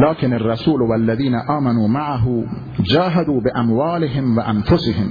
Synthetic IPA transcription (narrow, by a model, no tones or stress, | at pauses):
laːkɪnarˤːɑsuːlwalːaðiːnaʔaːmanuːmaʕaɦʊ | d͡ʒaːɦad̪uːbɪʔamwaːlɪɦɪmwaʔanfʊsɪhɪm